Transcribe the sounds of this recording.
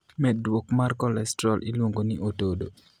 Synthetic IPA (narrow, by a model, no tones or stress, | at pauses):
mɛdwokmarkɔlɛstɾɔlʔilwoŋɡoniʔotodo